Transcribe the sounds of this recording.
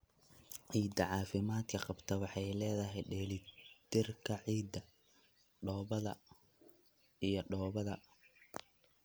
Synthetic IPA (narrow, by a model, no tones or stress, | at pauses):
ʕiːd̪ɐʕɑːfɪmaːd̪kʰɐqɑbt̪ʰɐwɑħɑjlɛːðɐɦɛjɖɛːlɪd̪ɪrkʰɐʕiːd̪ɐ | ɖɔːβɐðɐ̰ | ijɞɖɔːβɐðɐ